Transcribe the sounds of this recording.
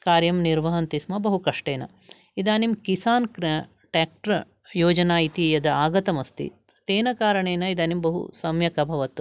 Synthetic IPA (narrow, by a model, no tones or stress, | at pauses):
kaːɾjɐmniɾʋɐɦɐnt̪ismɐbɐɦukɐʂʈeːnɐ̰ | id̪aːnimkisaːnkɾ | ʈaːk̚ʈɾɐ | joːd͡ʒɐnaːjit̪ijɐd̪ɐaːɡɐt̪ɐmɐst̪ḭ | t̪eːnɐkaːɾɐɳeːnɐid̪aːnimbɐɦṵsɐmjɐkɐbʱɐʋɐt̪u